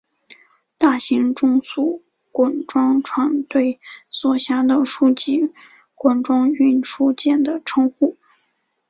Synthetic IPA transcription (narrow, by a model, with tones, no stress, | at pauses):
t̪a˥˩ɕi˧˥ŋʈ͡ʂʊ˥ŋsu˥˩ | kwa˨˥˩nʈ͡ʂwɑ˥ŋʈ͡ʂʰwa˧˥nt̪we˥˩ɪswɔ˥˩ɕja˥d̪ə˨ʂu˥˧t͡ɕi˥˩ | kwa˥nʈ͡ʂwɑ˥ŋy˥˩nʂʰu˥t͡ɕjɛ˥˩nd̪ə˩ʈ͡ʂʰɤ˥ŋxu˥˩